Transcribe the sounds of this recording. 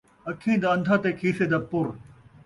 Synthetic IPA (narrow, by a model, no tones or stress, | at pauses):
ɐkʰĩːd̪aɐ̃nd̪ʱaːt̪eːkʰiːseːd̪aːpʊɾ